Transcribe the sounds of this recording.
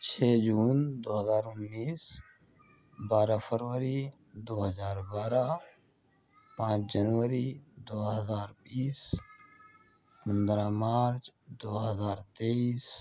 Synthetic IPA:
t͡ʃʰeːd͡ʒuːnd̪oːɦəzaːɾʊnːiːs | baːɾapʰəɾʋəɾi | d̪oːɦəzaːɾbaːɾa | pãːt͡ʃd͡ʒənʋəɾid̪oːɦəzaːɾbiːs | pənd̪ɾamaːɾt͡ʃd̪oːɦəzaːɾt̪eiːs

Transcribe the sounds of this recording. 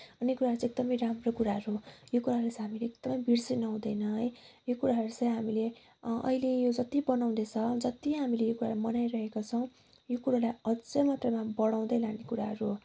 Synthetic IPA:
ʌnokuɾaɦʌɾut͡sek̚d̪ʌmʌjramrokuɾaɦʌɾujokuɾaɦɾt͡sɦamileekd̪̥ʌmʌjbirsinʌɦũd̪ʌjnʌɦʌjjokuɾaɦʌɾut͡sʌ̃jɦamile | ʌ̰ilejod͡zʌt̪ibʌnaw̃net͡sʰʌd͡zʌt̪iɦamilejokuɾalajmʌnajrʌɦekot͡sʰʌw̃ | jokuɾalajʌd͡zʌmat̪rʌmabʌɽ̃aw̃d̪ʌjlanekuɾaɦʌɾu

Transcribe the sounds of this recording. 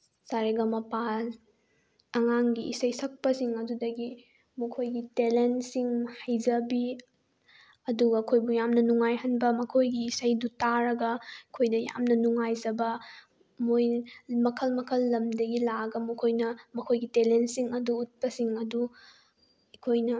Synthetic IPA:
saɾeɡɐmɐpal | ɐŋaŋɡiḭsɐjsɐk̚pɐsiŋɐdudɐɡi | mɐkʰojɡitelensiŋhɐjzɐbi | ɐduɡɐkʰojbujamnɐnuŋajɦɐnbɐmɐkʰojɡiːsɐjdutaɾɐɡɐkʰojdɐja̰mnɐnuŋajzɐbɐ | mojmɐkʰɐlmɐkʰɐlːɐmdɐɡilaɡɐmɐkʰojnɐmɐkʰojɡitelentsiŋɐduːt̚pɐsiŋɐdu | ɐkʰojnɐ

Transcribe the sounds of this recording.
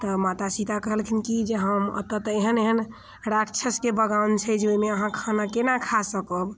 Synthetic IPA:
t̪ɔmat̪asit̪akəɦəlkʰinkid͡ʒeɦəmə̰t̪ət̪eɦəneɦən | ɾaʈt͡ʃʰəskebəɡawnt͡ʃʰɛd͡ʒeoimeəɦãkʰanakenakʰasəkɔb

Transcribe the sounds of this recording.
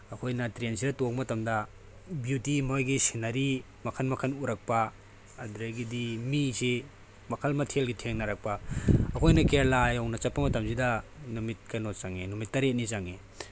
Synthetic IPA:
ɐkʰojnɐtɾensʰiɾɐtok̚mɐtɐmdɐ | bjutimojɡisinɐɾi | mɐkʰɐnmɐkʰɐnuɾɐk̚pɐː | duɾɐɡidimisi | mɐkʰɐlmɐtʰelɡitʰeŋnɐɾɐk̚pɐɐkʰojnɐkelajownɐt͡ʃɐpːɐmɐtɐmsidɐnumit̚kɐnot͡ʃaŋenumitːɐɾet̚nizaŋe

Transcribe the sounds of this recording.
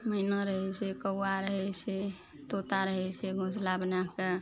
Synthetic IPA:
mənəɾəɦɛsekəwaɾəɦɛse | t̪ot̪aɾəɦɛseɡʱũslabnake

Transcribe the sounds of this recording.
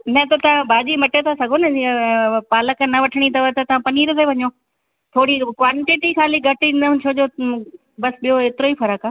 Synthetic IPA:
nɛ̃t̪ɐt̪ɐʋ̤ãbʱaːd͡ʑimɐʈet̪ʰasɐɡʱonɐipaːləkənɐʋɐʈʰəɽ̃it̪ɐʋət̪ɐt̪ɐʋ̤ãpɐniːɾt̪ʰeʋɐɲoː | t̪ʰoːɽikʋaːɳʈɪʈixaːliɡʱɐʈinət͡ɕʰoːd͡ʑo | bɐsɓijoeːt̪ɪɾoːifɐɾəkaː

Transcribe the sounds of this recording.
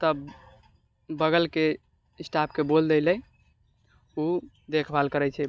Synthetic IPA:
t̪əb | bəɡəlke | isʈap̚ʰkebold̪elɛ | u | d̪ekʰbʱalkəɾɛt͡ʃʰɛ

